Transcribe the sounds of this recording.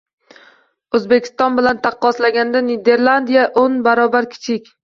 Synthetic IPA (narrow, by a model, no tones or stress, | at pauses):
ɵzbekʲʰɪ̥st̪ɒnbɪlant̪ʰɑqːɒslaɡʲand̪aned̪e̞ɾlˠand̪ijaʔonbaɾɒbaɾkʲʰɪ̥t͡ʃʰɪkʲ